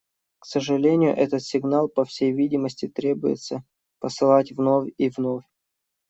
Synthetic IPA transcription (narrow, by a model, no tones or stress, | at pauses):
ksəʐɨlʲenʲɪjʊ̰ʔɛt̪ət̪sʲɪɡnalˠpɐfsʲejvʲidʲɪməsʲtʲɪt̪ɾʲe̞bʊjɪ̰t̪sə | pəsɨlˠatʲvnofʲivnofʲ